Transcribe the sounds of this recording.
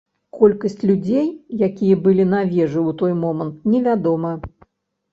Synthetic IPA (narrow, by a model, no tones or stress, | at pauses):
kɔlʲkɐsʲt͡sʲlʲud͡zʲejjakʲijɐbɨlʲinavʲɛʐɨwt̪ɔjmɔmɐnt̪̚nʲɛvʲad̪ɔmɐ